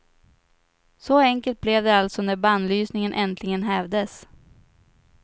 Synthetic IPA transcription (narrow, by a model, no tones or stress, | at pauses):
sɔɛŋkəlt̪̚blɛvd̪ɛalt̪sɔnæɾband̪lyːsnɪŋənʔɛnt̪ʰlɪɡənɦɛːvd̪əs